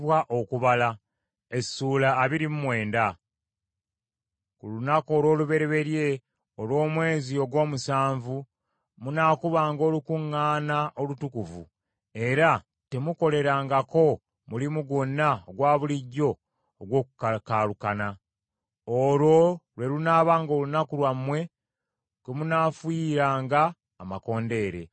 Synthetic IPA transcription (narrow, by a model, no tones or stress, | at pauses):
βwaʔo̞kuβala | e̞suːlaːβiɾimumwe̞ːnda | kulunako̞ːlwo̞ːluβe̞ɾeβe̞ɾje̞ | olwo̞ːmwe̞ːzio̞ɡwo̞ːmusaːɱvu | munaːkuβaːŋɡo̞ːlukuŋːaːnaʔo̞lutukuvṵ | e̞ɾa | te̞muko̞le̞ɾaːŋɡako̞ | mulimuɡonːaoɡwaːβuliɟːo̞ː | ɡwo̞ːkukakaːlukana | olwo̞lwe̞lunaːβaːŋɡo̞ːlunakulwamwe̞ | kwemunaːfwiɾaːŋɡaː | mako̞ːnde̞ːɾe̞̰